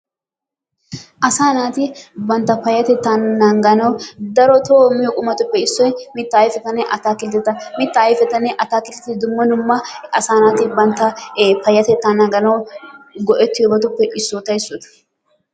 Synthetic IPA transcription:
ʔɐsaːnaːt̪ɪbɐnt̪ːɐfɐjːɐt̪ɛt̪ːannɐŋɡɐnɐwd̪ɐɾɔt̪oːmɪjokʼʊmɐt̪ʊpːɛɪsːɔjmɪt̪ːɐːjfɛt̪ːɐnɛʔɐt̪aːkɪlt̪ɛt̪ːɐmɪt̪ːɐːjfɛt̪ːɐnɛʔɐt̪aːkɪlt̪ɛt̪ːɪd̪ʊmːɐnʊmːɐɐsaːnaːt̪ɪbɐnt̪ːɐpɐjːɐt̪ɛt̪ːanːɐŋɡɐnɐwɡɔʔɛt̪ːɪʊbɐt̪̬ʊpːɛʔɪsːoːt̪ɐɪsːɔd̪ɐ̥

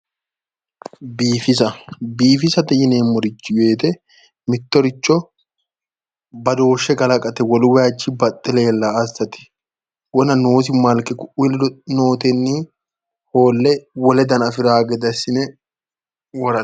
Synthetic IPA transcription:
biːfɪs̬ɐbiːfɪsɐd̪ɛjɪneːmːɔɾɪt͡ʃːɪwe̞ːt̪ɛ | mɪt̪ːɔɾɪt͡ʃːɔ | bɐd̪o̞ːʃːɛɡɐlɐkʼɐt̪ɛwɔlwɛat͡ʃːɪbɐt̪ʼːɪleːlːaɐsɐt̪ɪ̥ | wɔnɐno̞ːs̬ɪmɐlkʼɪkʊʊlnoːt̪ɛnːiː | ho̞ːlːɛwɔlɛd̪ɐnɐfɪɾaːɡɛd̪ɐsɪnɛ | wɔɾɐ

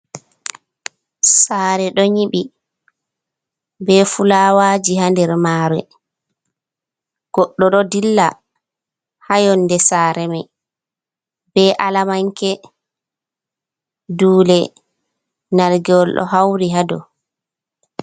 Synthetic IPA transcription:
saːɾɛɗɔɲiɓi | bɛfulawad͡ʒihandɛɾmaːɾɛ̰ | ɡ̥ɔɗːɔɗɔdilːa | hajɔnːdɛsaːɾɛmɛ | bɛʔalamaŋkɛ | duːlɛ | nalɡɛɔlɗɔ̰ɦawɾiɦadɔ̰

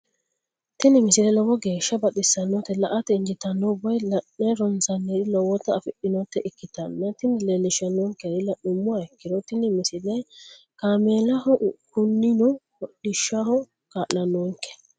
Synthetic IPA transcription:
t̪ɪnɪmɪsɪlɛlɔwɔɡe̞ːʃːɐbɐt̪ɪsɐnːɔt̪ːɛlɐʔɐt̪ɛɪnd͡ʒɪt̪ɐnːɔbɔjlɐːɛɾɔnsɐnːed̪ɪlɔwɔt̪ːɐfɪɗɪnɔt̪ːɛʔɪkːɪt̪ɐnːɐt̪ɪnɪlelɪʃɐnɔŋkːɛd̪ɪlɐɗʊmːʊaɪkːɪd̪ɔt̪ɪnɪmɪsɪlɛj | kaːmeːlɐhɔkʊnːɪnʊhɔɗɪʃːɐhɔ | kaːʔlːɐnɔŋkːɛ̥

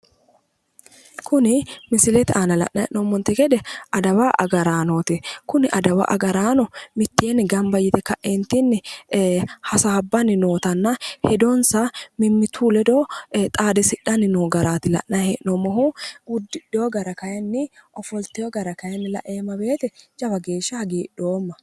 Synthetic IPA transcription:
kʰʊnɪmɪsɪlɛt̪aːnɐlɐ̰ʔnɐɛ̰ʔnomːɔnt̪ɛɡɛd̪ɛʔɐd̪ɐwaʔɐ̰ɡɐɾaːnoːt̪ɪkʊnɪʔɐd̪ɐwɐ̰ʔɐ̰ɡɐɾaːnɔmɪt̪ːjeːnɪɡɐmbɐjːɪt̪ɛkɐʔent̪ɪnːɪ | hɐsaːbːɐnːɪno̞ːt̪ɐnːɐhɛd̪ɔnsɐmɪmːɪt̪ʰuːlɛd̪oːt̪ʼaːd̪ɛsɪɗːɐnːɪnoːɡɐɾaːt̪ɪlɐ̰ʔnɐɛ̰ʔnomɔɦuwʊd̪ːɪᶑɛjɔɡɐɾɐkɐjɐnːɪʔɔfɔlt̪ɛjɔɡɐɾɐkɐjɐnːɪlɐ̰ʔeːmːɐbe̞ːt̪ɛd͡ʒɐbɐɡe̞ːʃːɐhɐɡiːɗoːmːɐ

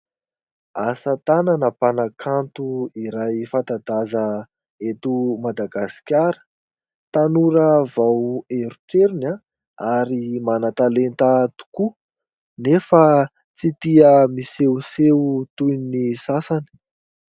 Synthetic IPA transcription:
asət̪ananəpanakʰant̪uiɾajfant̪ad̪azə | et̪umad̪aɡasi̥kʲaɾə̥ | t̪anuɾəvaweɾuʈ͡ʂeɾina | aɾimanat̪alent̪ət̪u̥ku | nefa | t͡sit̪iəmisewseut̪unisasani̥

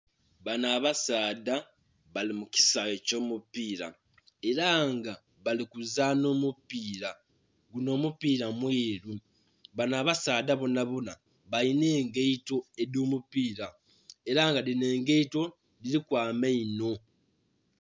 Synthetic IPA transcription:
βanaːβasaːda | βalimuci̥saeco̞ːmupiːɾa̰ | e̞ɾaŋɡa | βalikuzano̞ːmupiːɾa | ɡuno̞ːmupiːɾamweːɾu | βanaːβasaːdaβonaβona̰ | βaine̞ːŋɡe̞ito̞e̞doːmupiːɾa | e̞ɾaŋɡadine̞ːŋɡe̞ito̞ | dilikwaːmeino̞

